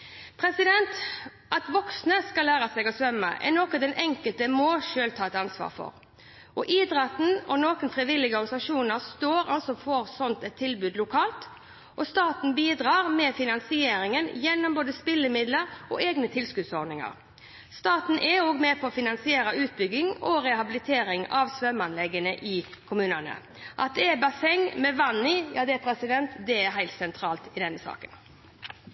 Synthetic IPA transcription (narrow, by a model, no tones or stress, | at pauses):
pʰɾɛsɪd̪ɛnt̪ | ʔɑt̪ʋɔksnəskɑlæːɾɑsɛɡɔsʋœmːə̰ʔɛ̰nɔkɑd̪ɛnʔɛŋkəlt̪əmoːʃøːlt̪ʰɑːɛt̪ɑnsʋɑ̰ːʁfɔ̰ɾ | ʔɔʔiːd̪ɾɛt̪n̩ɔnoːkənfʁɪʋɪlɪɡəɔɾɡɑnsɑʂuːnəʁst̪oːɾɑlsɔfɔːɾsɔnt̪ɛt̪ʰːɪlbʉːd̪lʊkʰɑːlt̪ | ʔɔst̪ɑːt̪n̩biːd̪ɾɑːʁmɛːfɪnɑnsɪeːɾɪŋənjɛnːɔmboːd̪əspɪlːəmɪd̪ləɾʔɔ̰ʔeːɡnət̪ʰɪlskʉd̪sɔɾd̪nɪŋɑ̰ɾ | st̪ɑːt̪n̩ʔɛoːɡmɛpʰɔːfɪnɑnsɪeːɾəʉːt̪̚bʏɡɪŋɔɾɛhɑbɪlɪt̪ʰeːɾɪŋɑʋsʋœmɑnlɛɡənəʔɪkʰʊmʉːnənə̰ | ʔɑt̪̚d̪ɛbɑsɛŋmɛʋɑnɪjɑ̰ːd̪ɛpʰɾɛsɪd̪ɛnt̪d̪ɛɛɦæɪlt̪sɛnt̪ʰɾɑːlt̪ɪd̪ɛnːəsɑ̰ːkən